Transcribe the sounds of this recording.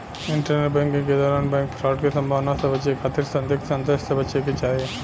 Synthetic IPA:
ɪɳʈəɾneʈbɛ̃ːŋkɪ̃ŋked̪ɔːɾaːnbɛ̃ːŋkpʰɾaːʈkesɐ̃mbʱaːʋnasebɐt͡ʃekʰat̪ʰiɾsɐ̃nd̪oksɐ̃nd̪eʃsebɐʃeket͡ʃaːɾie

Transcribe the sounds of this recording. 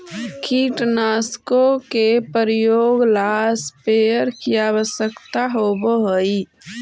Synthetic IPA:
kiʈnaskokepəɾjoːɡlaspeəɾkiabəsjəkt̪aɦoboɦəi

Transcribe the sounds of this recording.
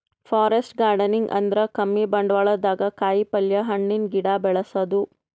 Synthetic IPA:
pʰaːɾesʈɡaːɾɖɐniŋɡɐ̰nd̪ɾɐkɐmːibɐɳɖʋɐɭɐd̪aːɡɐkaːjipɐljɐɦɐɳːinɡiɽaːbɛɭɐsɐd̪u

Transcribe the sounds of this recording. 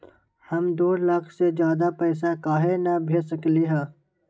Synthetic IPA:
hɐmd̪oːləkʰsed͡ʒjaːd̪apɛːs̬akaːɦenɐbʱeːsəkleɦɛ̃ː

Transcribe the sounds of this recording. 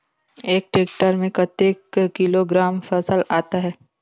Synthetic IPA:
eːk̚ʈeːk̚ʈəɾmẽkɐt̪eːkkɪloɡɾaːmfɐsəlaːt̪aɦɛː

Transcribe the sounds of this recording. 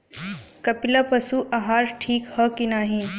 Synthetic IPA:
kɐpilapɐsuʔɐɦaːɾʈʰiːkhəkinaːɦĩ

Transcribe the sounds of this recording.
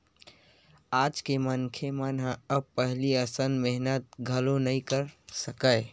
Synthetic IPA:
ad͡ʒkemənkʰemənɦə̃əb̚pəɦliəsənmeɦnət̪̚ɡʱəlonəĩkəɾsəkəɪ

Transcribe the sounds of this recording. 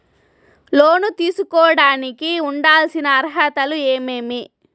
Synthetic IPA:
loːnut̪iːsukɔːɐɽaːnikiuɳɖaːlsinɐːɾɦɐt̪ɐlueːmeːmi

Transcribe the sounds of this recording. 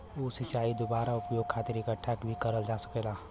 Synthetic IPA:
oːsɪt͡ʃaːid̪obaːɾaʊpjoːɡ̚kʰaːt̪ɪɾɪkəʈʰːakbʱikɐɾəld͡ʒaːsɐ̥keːlaː

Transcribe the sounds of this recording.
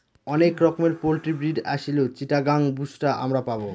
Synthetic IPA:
ɔnekɾɔkomeɾpolʈɾibɾiɖa̰ʃilot͡ɕiʈaɡaŋbuʃʈaʔa̰mɾapabo

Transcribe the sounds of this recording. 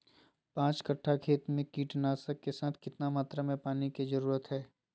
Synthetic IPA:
pãːt͡ʃkɐʈʰːakʰeːt̪mẽkiːʈnaːsəkːesaːt̪ʰkɪt̪namaːt̪ɾamẽpaːnikid͡ʒɐɾuːɾət̪ɦɛː

